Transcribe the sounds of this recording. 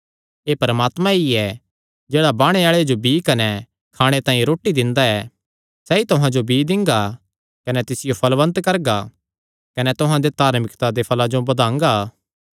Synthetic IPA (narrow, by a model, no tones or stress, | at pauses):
eːpɐɾəmaːt̪mãiɛ | d͡ʒeːɽabaːɽ̃eaːɭead͡ʒobiːkɐnɛ | kʰaːɽ̃et̪ãːĩɾoːʈːid̪ɪ̃nd̪aɛ | sɛːit̪ʊɦãd͡ʒobiːd̪ɪ̃ŋɡa | kɐnɛt̪ɪsɪjopʰɐlʋɐ̃nt̪kɐɾɡa | kɐnɛt̪ʊɦãd̪et̪aːɾmɪkt̪ad̪epʰɐlad͡ʒobɐd̪ãːŋɡa